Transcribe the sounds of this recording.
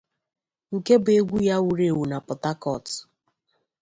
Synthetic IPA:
ŋ̩˨ke˦bʊ˨e˦ɡʷu˦ja˦wu˨ɾe˨wu˨na˨pʊ˨ta˦kɔ˨t

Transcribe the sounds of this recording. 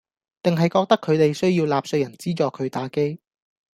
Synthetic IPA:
t̪ɪ˨ŋɦɐ˨jkɔː˧k̚t̪ɐ˥kʰːɵ˨˧ɥt̪e˨jsɵ˥ɥjiː˧wlaː˨p̚sɵ˧jɐ˨˩nt͡siː˥t͡ʃɔː˨˧kʰɵ˨˧ɥt̪aː˨˧˥ke˥j

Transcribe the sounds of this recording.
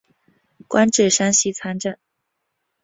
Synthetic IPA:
kwʔa˥nʈ͡ʂ̩˥˩ʂa˥nɕi˥t͡sʰa˥nʈ͡ʂa˥˩n

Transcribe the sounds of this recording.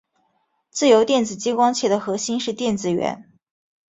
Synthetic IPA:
t͡sɹ̩˥˩jo˧˥ʊt̪jɛ˥˩nt͡sɹ̩˨˩t͡ɕi˥ŋkwɑ˥ŋt͡ɕʰjɛ˥˩d̪ə˦xɤ˧˥ɕi˥nʂɻ̩˥˧t̪jɛ˥˩nt͡sɹ̩˨˩ɥɛ̰˧˥n

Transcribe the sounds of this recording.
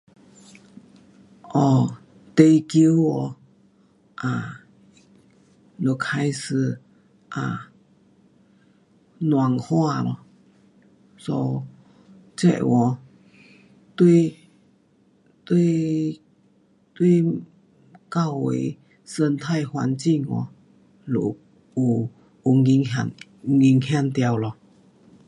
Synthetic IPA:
ʔɔ˧˩ | t̪e˧jki˧˦wɔ˧ | ʔa˨ | lo˧˩kʰa˧˥jsɨ˧˩ | ʔa˨ | nwa˨ŋhwa˧lɔ̰˧˨ | sɔ˧ | t͡ɕɛ̰˧˨wʔɔ˧˩ | t̪wi˥˧ | t̪wi˥˧ | t̪wi˥˧ | ka˥˧˩wwḛ˧˦ | sə˧nt̪ʰa˥˧˨jhwa̰˧nt͡ɕi˥˧ŋɔ̰˧˦ | lṵ˨˩ | u˨˩ | u˨˩ŋi˧ŋa˧n | ŋi˧ŋhja˥˧˨nt̪ja˧wlɔ˧˩

